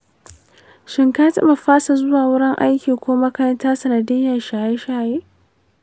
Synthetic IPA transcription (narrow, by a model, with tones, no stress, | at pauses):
ʃɪ˨ŋkaː˦tɐ̰˦ba˨ɸaː˦sa˨zʊ˦waː˨wʊ˦ɽɪ˦ŋʔa˦jkʲiː˨kʷoː˦maː˦kɐ˦jɐ˦ntaː˦sɐ˨nɐ˨dɪ˦jɐ˨nʃaː˨je˦ʃaː˨jeː˦